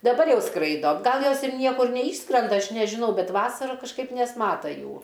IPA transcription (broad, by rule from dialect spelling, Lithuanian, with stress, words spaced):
dɐˈbɐr ˈjɛʊ ˈskrɐɪdoː ˈɡɐlˠ ˈjoːs ɪr ˈnʲiɛkʊr nʲɛˈiːʃskrʲɛndɐ ˈɐʃ nʲɛʒʲɪˈnɐʊ ˈbʲɛt ˈʋɑːsɐrɐ kɐʃˈkɐɪp nʲɛsˈmɑːtɐ ˈjuː